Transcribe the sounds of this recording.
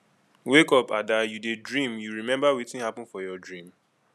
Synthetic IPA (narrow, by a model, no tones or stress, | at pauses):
wekɔpadajudedɹĩmjuɹimɛ̃mbawitĩnhapɔ̃nfɔjɔdɹĩm